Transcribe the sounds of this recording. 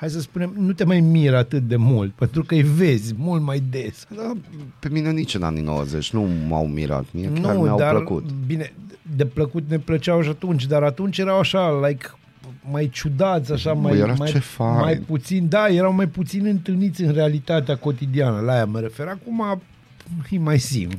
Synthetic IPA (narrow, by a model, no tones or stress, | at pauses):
hajsəspune̞mnut̪e̞majmiɾat̪ɨt̪̚d̪e̞mult̪̚pe̞nt̪ɾukəjve̞zʲmult̪majd̪e̞sd̪ape̞minenit͡ʃɨna̰nino̰wə̰zḛt͡ʃʲnuma̰wmḭɾa̰t̪miekʲnuaɾawd̪aɾləkṵt̪bine̞d̪e̞pləkut̪ne̞plət͡ʃawʃ̬at̪unt͡ʃʲd̪aɾat̪unt͡ʃje̞ɾawaʃalajk | majt͡ʃud̪at̪sʲaʃamajeɾamajefamajput̪sind̪aje̞ɾawmajput̪sinɨnt̪ɨlnit̪sʲɨnrealit̪at̪eako̞t̪id̪ianəlajaməɾe̞fe̞ɾakuma | fimajsḭm